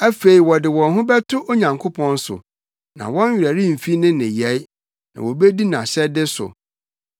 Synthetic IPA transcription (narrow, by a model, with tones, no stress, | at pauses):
æ˦fe˨i˨wɔ˨dɪ˨wɔ̃˨nɦʊ̃˦bɛ˦tʰʊ˦ʔo˦ɲã˨ŋkʰʊ˦pʰɔ̃˦n˦sʊ̰˨ | nã̰˨wɔ̃˦n˦ɥᶣɾæ˨ɾĩ˦m̩˨fi˦nɪ̃˦nɪ̃˨jɛ˨˦j | nã̰˨wo˨be˦di˦nã˨ɕɛ˦dɪ˦sʊ̰˨